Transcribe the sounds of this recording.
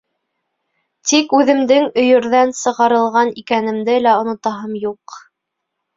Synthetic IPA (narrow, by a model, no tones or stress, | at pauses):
t̪ikʉðɘ̆md̪ɘŋɵ̆jɵ̆ɾðænsɤ̆ʁɑɾɤ̆lˠʁɑnikænɘ̆md̪ɘlæŏnŏt̪ɑɦɤmjuq